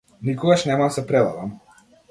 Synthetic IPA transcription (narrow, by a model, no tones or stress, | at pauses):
nikɔɡaʃnɛmamsɛpɾɛd̪ˠa̰dam